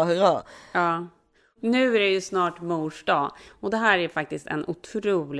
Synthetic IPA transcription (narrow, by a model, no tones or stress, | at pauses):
hɑːɑː | nʉ̟ːæɾɛjɵsnɑːʈmuːʂɖɑːɔd̪ɛɦæːɾæɾfak̚t̪ɪst̪ɛ̰nʔʊt̪ʰɾuːlɪ